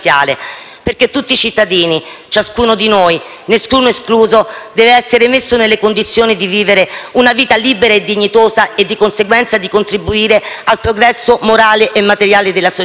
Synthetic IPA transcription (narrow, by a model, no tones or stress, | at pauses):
ja̰ːle | perk̟et̪ːut̪ːit͡ʃit̪ːad̪iːnit͡ʃaskuːnod̪inoːj | neskuːnoeskluːzod̪ɛːveɛsːeɾemesːonelːekond̪it̪sːjoːnid̪iviːveɾeunaviːt̪aliːbeɾaed̪ːiɲːit̪oːzaed̪ːikonseɡwɛnt̪sad̪ikont̪ɾibuiːɾealpɾoɡɾɛsːomoɾaːleʔemːat̪eɾjaːled̪elːaso